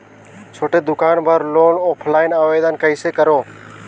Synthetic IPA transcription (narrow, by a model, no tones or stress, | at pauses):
t͡ʃʰoːʈeːd̪ʊkaːnbʱaɾloːnoːpʰlaːɪnaːʋeːd̪ənkəiːseːkəɾoː